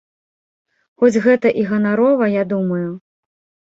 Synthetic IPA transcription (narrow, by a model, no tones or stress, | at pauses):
xɔd͡zʲɣɛt̪ɐʔiɣɐnaɾɔvɐjad̪umɐju